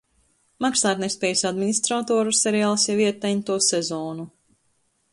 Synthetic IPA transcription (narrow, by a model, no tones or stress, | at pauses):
makslˠaːt̪nespʲɛːjsad̪minist̪ɾat̪ɔːɾusɛɾɛjaːlˠsjɛviɛt̪ːɛɲʲt̪uɔsɛzɔːnu